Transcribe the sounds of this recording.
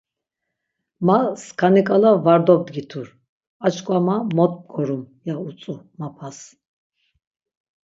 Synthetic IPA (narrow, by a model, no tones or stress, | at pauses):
maskʰanikʼalavaɾd̪ɔb̚d̪ɡit̪ʰuɾ | at͡ʃkʼwamamɔt̪̚ʼp̚ɡʰɔɾum | jaut͡sʼu | mapʰas